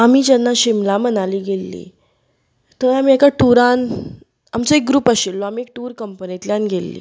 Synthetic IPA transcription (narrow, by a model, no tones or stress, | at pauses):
amiːd͡ʑanːaɕimlamənaliːɡelːḭ | t̪əamiekaʈuɾan | a̰mt͡sɔek̚ɡɾuːpaɕelːoamiːek̚ʈuːɾkəmpənit̪ljanɡʱelːḭː